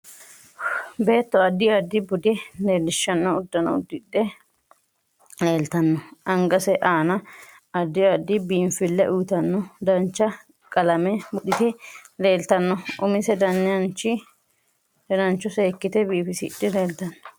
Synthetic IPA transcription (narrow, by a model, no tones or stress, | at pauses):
be̞ːt̪ːɔɐd̪ːɪɐd̪ːɪbʊd̪ɛleːlːɪʃːɐnːɔʊd̪ːɐnɐ̰ʊ̰d̪ːɪdːɛ | leːlt̪ɐnːɔʔɐŋɡɐsɛʔaːnɐ | ɐd̪ːɪɐd̪ːɪbiːɱfɪlːɛʔʊjt̪ɐnːɔd̪ɐnt͡ʃːɐ | kʼɐlɐmɛbʊɗɪt̪ɛleːlt̪ɐnːɔʊmɪsɛd̪ɐnːɪjɐnt͡ʃːɪ | hɛnɐnt͡ʃːɔseːkːɪt̪ɛbiːfɪsɪɗːɛle̞ːlt̪ɐnːɔ̥